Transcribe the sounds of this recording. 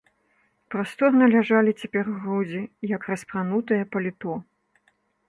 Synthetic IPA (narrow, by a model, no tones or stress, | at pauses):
pɾast̪ɔrnɐlʲaʐalʲit͡sʲapʲɛrɣɾud͡zʲijɐkrɐspɾanut̪ɐjɐpɐlʲit̪ɔ